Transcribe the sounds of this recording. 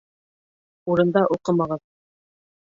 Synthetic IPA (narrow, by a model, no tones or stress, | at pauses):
uɾɤ̆nd̪ɑʔuqɤmɑʁɤð